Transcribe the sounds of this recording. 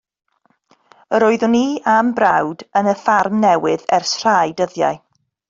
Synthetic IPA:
əɾoːɨðʊniːambrawdənəfarmnɛwɪðɛrsr̥ajdəðja̰ɨ

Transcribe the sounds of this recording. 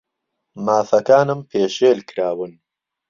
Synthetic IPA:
maːfɐkaːnɨmpʰeːʃeːlkɾaːwɨn

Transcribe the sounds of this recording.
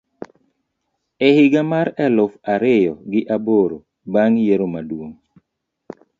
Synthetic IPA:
ɛhɪɡamaɾɛlʊfaɾɪjɔɡɪʔaboɾo | baŋjeɾomadwoŋ

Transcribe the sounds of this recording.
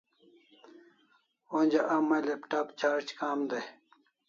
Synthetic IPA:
onʲd͡ʑaʔɐmːɐlepʈaːpt͡ɕʰaːɾt͡ɕkaːmd̪ej

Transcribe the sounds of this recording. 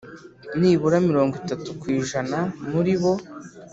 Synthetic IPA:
niːβuɾamiɾo̞ːŋɡitatukwiːʒanamuɾiβo̞

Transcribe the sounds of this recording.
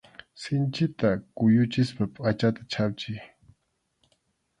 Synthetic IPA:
sɪnt͡ʃɪt̪akʊjʊt͡ʃɪspapʼat͡ʃat̪ḁt͡ʃʰap̚t͡ʃɪj

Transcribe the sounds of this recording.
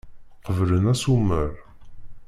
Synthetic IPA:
qəvlənæsumːəɾ

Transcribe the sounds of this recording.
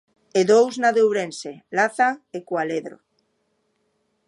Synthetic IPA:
eðowznaðewβɾẽnselaθaŋekwaleðɾo̰

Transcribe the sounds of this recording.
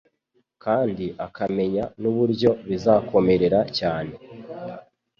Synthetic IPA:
kaːndiʔakʰame̞ɲanuβuɾɟo̞βizaːkʰo̞me̞ɾe̞ɾacaːne̞

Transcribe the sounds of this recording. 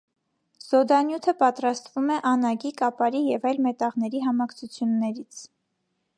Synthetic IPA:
z̥ɔd̪ɑnjut̪ʰəpɑt̪ɾɑst̪vumɛʔɑnɑɡikɑpɑɾijɛvɑjlmɛt̪ɑʁnɛɾiɦɑmɑkʰt͡sʰut͡sʰjunːɛɾit͡sʰ

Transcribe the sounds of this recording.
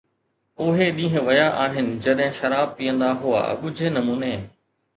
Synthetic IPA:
ʊɦeɗĩːɦɪ̃ʋɐjaʔaːɦɪnɪ̆d͡ʑɐɗɦɪ̃ʃɐɾaːb̚piːə̃nd̪aɦua̰ːɓʊd͡ʑʱenɐmuːneː

